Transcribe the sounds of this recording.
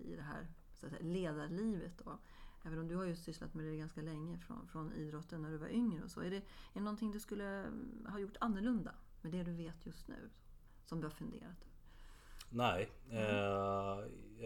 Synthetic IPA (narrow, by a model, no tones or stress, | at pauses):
ɪ̰d̪ɛɦæ̰ːɾ | sɔat̪sɛjaleːd̪aɾliːvət̪ɔ | ʔɛːvənɔmd̪ɵhaɾjɵsʏsla̰t̪mɛd̪ɛɾɡanskalɛŋːəfɾɔ̰nfɾɔnḭːd̪ɾɔt̪ːənːæɖɵva̰ɾʔʏŋɾəɔsɔ̰ːæɖɛɛɖɛnɔnt̪ʰɪŋd̪ɵskɵlːəhɑjʊʈːanːəɭɵnd̪a̰ | mɛd̪ɛd̪ɵveːt̪ʰjɵst̪nʉ̟̰ː | sɔmd̪ɵhaɾfɵnd̪ḛːɾat̪ɵvəɾ | næɪ